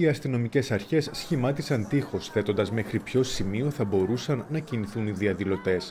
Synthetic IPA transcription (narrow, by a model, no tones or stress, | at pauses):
iɐst̪ino̞mice̞sɐɾçe̞sːçimɐt̪isɐnt̪ixo̞sθe̞t̪o̞nd̪ɐzme̞xɾipço̞simio̞θɐbo̞ɾusɐnːɐciniθuniðiɐðilo̞t̪e̞s